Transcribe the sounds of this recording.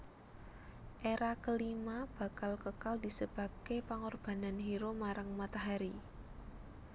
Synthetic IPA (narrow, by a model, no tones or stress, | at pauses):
ʔeɾakəlimab̥a̤kalkəkaldi̤səb̥a̤b̚kepaŋɔrb̥a̤nanɦiɾomaɾaŋmat̪aɦaɾi